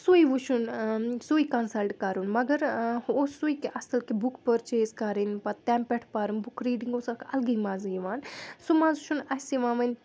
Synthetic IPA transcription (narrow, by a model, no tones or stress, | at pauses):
sujʋuʃʰunsuikɐnsɐlʈkɐɾunmɐɡɐɾosujkiʔɐsɐlkebukpəɾt͡ʃeːzkaɾinpɐt̪ampɛʈʰpaːɾumbukɾiːɖiŋɡosakɐ̰lɡijmaziʋaːnsumaːzut͡ʃʰunɐsiʋaːmɐnʲ